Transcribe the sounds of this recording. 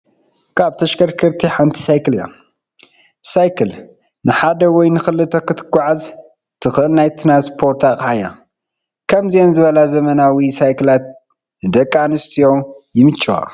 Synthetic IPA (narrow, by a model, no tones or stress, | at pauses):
kʰaβt̪ʰɐʃkʰɐɾkʰɨɾt̪ʰiħant̪ʰi̥sajkɨlijo̰ | sajkʰɨl | nɨħad̪ɐwɔjnɨxɨlːɨt̪ʰɐkɨt̪ʰɨ̥ɡʷaʕaz | t̪ʰɨxɨʔɨlnajt̪ʰɨnaspʰo̞ɾt̪ʰakʼaja̰ | kʰɐmzienzɨβɐlazɐmɐnawisajkʰɨlat̪̚ | d̪ɐkʼːanɨst̪ʰijojɪmɨt͡ʃʼːwa̰